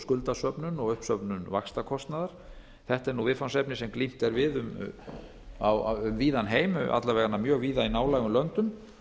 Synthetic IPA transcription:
skʏlt̪asœpnʏnɔɣʏhpsœpnʏnvakst̪akʰɔst̪naðaɾ̥ | θɛht̪ɛɾnuvɪðfansɛpnɪsɛmklim̥t̪ɛɾvɪðʏm | awʏmviːðanɦeːjmʏʔa̰t̪laɾvɛːɣanːamjœːɣviːðainaːwlaːɣʏmlœnt̪ʏm

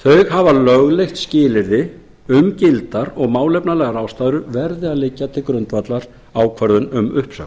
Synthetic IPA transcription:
θœɥɣɦavalœɣlejxt̪scɪːlɪɾðɪ | ʏmcɪlt̪aɾɔɣmaːwlɛjpnalɛːɣaɾaːwst̪aːjðʏɾʏvɛɾðɪaðlɪcːat̪ʰɪlkɾʏnt̪vat̪laɾ̥ | aːwkʰvœɾðʏnʏmʏhpsœ̰̥

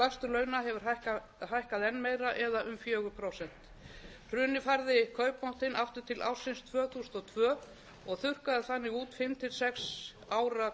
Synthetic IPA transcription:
last̪ʏɾlœːɥnaɦɛvʏɾ̥a | hajhkaðɛnːmeːjɾaʔɛðaʔʏmfjœːɣʏpʰɾowsɛn̥t̪ | r̥ʏːnɪfaɾðɪkʰœːɥpmɔwht̪ɪnʔaft̪ʏ̥t̪ʰɪlʔa̰wsɪnst̪ʰvœːθuːsnɔt̪ʰvœː | ɔɣθʏr̥kaðɪθanːɪuːt̪fɪmt̪ʰɪlsɛks | aːwɾa

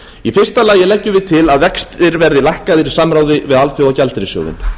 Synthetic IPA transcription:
ifɪ̥st̪alaːjɪlɛcːʏvɪðt̪ʰɪlaðvɛkst̪ɪɾvɛɾðɪlajhkaðɪɾisamɾaːwðɪvɪðalfjowacalt̪ɪɾɪsjo̰wðɪ̰n

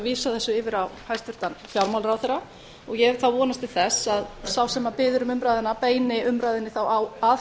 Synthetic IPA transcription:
viːsaθɛsːʏɪːvɪɾawhajst̪vʏɾt̪anfjawɾmawlɾawθɛɾa | ɔɣjɛθawvɔːnast̪ɪlθɛsaðsawsɛmːapɪːðʏɾʏmʏmɾajðɪnːapeːjnɪʏmɾajðɪnɪθawawa

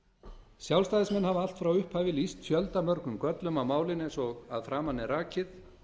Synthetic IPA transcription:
sjawlst̪ajðɪsmɛnːhaval̥t̪fɾawʏhphaːjvɪlist̪fjœlt̪amœɾkʏmkœt̪lʏmawmaːwlɪnɛnsɔɣaðfɾaːmanːɪɾaːcɪθ

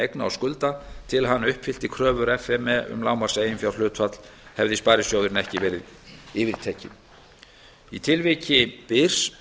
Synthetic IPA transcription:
ejknaawskʏlt̪at̪ʰɪlɦanːʏhpfɪl̥t̪ɪkʰɾœːvʏɾɛfɛmɛʏ̰mlaːwmarseːjɪnfjawr̥lʏːt̪fat̪l̥hɛvðɪspaːɾɪsjowðɾɪnɛhcɪvɛːɾɪðɪːvɪɾ̥t̪ʰɛːcɪ̰n | it̪ʰɪlvɪcɪpɪr̥s

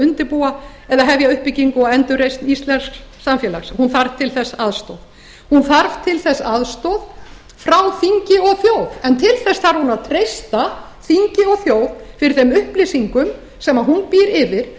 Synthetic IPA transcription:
ʏnt̪ɪɾpua | ɛðaɦɛvjaʏhpɪciŋkʊaɛnt̪ʏrejst̪nist̪lɛnssamfjɛlaxshunθaɾv̥t̪ʰɪlθɛsːaðst̪ɔð | hunθaɾv̥t̪ʰɪlθɛsːaðst̪ɔð | fɾawθiɲcɪɔɣθjoːwvɛnt̪ʰɪlθɛsθaɾ̥hunaðt̪ʰɾejst̪a | θiɲcɪɔɣθjoːwðfɪɾɪɾθɛmʏhplɪsiŋkʏm | sɛmaðɦunpiɾɪvɪɾ̥

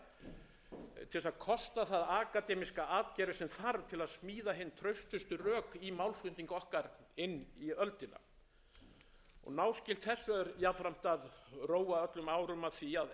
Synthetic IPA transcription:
t̪ʰɪlvɛsaðkʰɔst̪aθaðaːkat̪ɛmiskaaːt̪cɛɾɪsɛmθaɾt̪ʰɪlaðsmiːðaɦɪnːt̪ʰɾœɥst̪ʏst̪ʏrœːkimawlskʏnt̪iŋkɔhkaɾɪnːiœlt̪ɪna̰ | ɔ̰ɣnaːwscɪl̥t̪θɛsːʏɾjafɾam̥t̪aðroːwaœt̪lʏmaːwɾʏmaðθiað

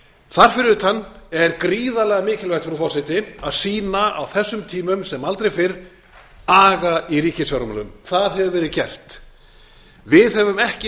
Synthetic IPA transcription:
θar̥fɪɾʏt̪ʰanːɛɾkɾiːðalɛɣamɪːcɪlvɛɾ̥t̪fɪɾufɔrsɪjt̪ɪaðsiːnaa̰wθɛsːʏmt̪ʰiːmʏmsɛmalt̪ɾejfɪɾ | aːɣaiɾiːcɪsjawɾmɛlʏ̰mθaðɦɛvʏvɛːɾɪðcɛ̰r̥t̪ | vɪðhɛvʏmɛhcɪ

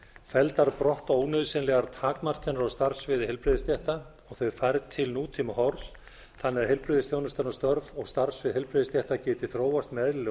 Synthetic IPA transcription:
fɛlt̪aɾpɾɔht̪oːwnʏðsɪnlɛɣaɾt̪ʰaːkmar̥canaɾawst̪aɾsvɪðhɪlpɾɪðɪst̪jɛht̪a | ɔɣθœɥfajɾt̪ʰɪlnuːt̪ʰimahɔɾs | θanːɛɾ̥hɪlpɾɪðɪsθjownʏst̪anast̪œɾvɔɣst̪aɾ̥svɪðɦɛlpɾɪðɪst̪jɛht̪acɪːt̪ɪ̥θɾoːwast̪mɛðll

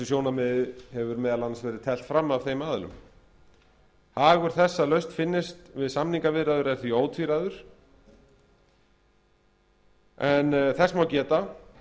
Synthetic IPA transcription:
ʏsjownamɛðɪhɛvʏɾmɛːðalanasvɛːɾɪðt̪ʰɛl̥t̪fɾamːav̥θejmaːðʏlʏ̰m | haːɣʏɾ̥θɛsːalœɥst̪fɪnːɪst̪vɪðsamniŋkavɪðɾaðʏɾɛnθioːwt̪ʰviɾaðʏɾ̥ | ɛnθɛsːmawcɛːt̪a

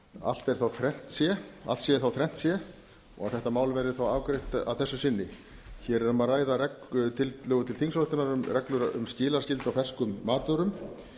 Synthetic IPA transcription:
a̰l̥t̪ɛɾ̥θawθɾɛn̥t̪sjɛa̰lt̪sjɛɾθawθɾɛn̥t̪sjɛ | ɔ̰ɣaðθɛht̪amaːwlvɛɾɪθawaːwkɾeht̪a̰ðθɛsːʏsɪnːɪ | çɛɾɛɾʏmaðraːjðaɾɛkt̪ʰɪllœːɣʏt̪ʰɪlθiŋsɾɔht̪ɪnaɾʏmrɛklʏɾʏ̰mscɪːlaɾ̥scɪlt̪awfɛrskʏmːaːt̪ʏɾʏm

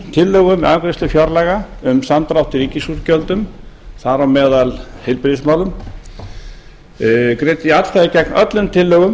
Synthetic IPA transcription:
t̪ʰɪlːœɣʏmɛaːkɾɪst̪ʏfjɔɾlɛːɣa | ʏmsant̪ɾawht̪ɪɾiːcɪsuɾcœlt̪ʏmθaɾawmɛːðalhɪlpɾɪðɪsmaːwlʏm | kɾeːt̪ɪat̪l̥θaðɪcɛknœt̪lʏmt̪ʰɪlːœɣʏm

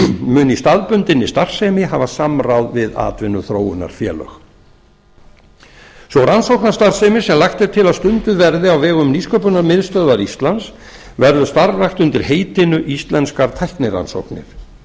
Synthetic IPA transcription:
mʏnist̪aðpʏnt̪ɪnɪst̪ar̥sɛːmɪɦavasamrawðvɪða̰ːt̪vɪnːʏθɾoːwʏna̰ɾ̥fjɛ̰ːlœ̰x | svɔwɾansowknḁst̪ar̥sɛmɪsɛmlaxt̪ɛɾ̥t̪ʰɪlaðst̪ʏnt̪ɪðvɛɾðɪawvɛːɣʏmniskœpʏnaɾmɪðst̪œðvaɾist̪lans | vɛɾðʏst̪aɾraxt̪ʏnt̪ɪɾ̥heːjt̪ɪnʏʔist̪lɛnskaɾt̪ʰajhknɪɾra̰nso̰wknɪ̰ɾ̥

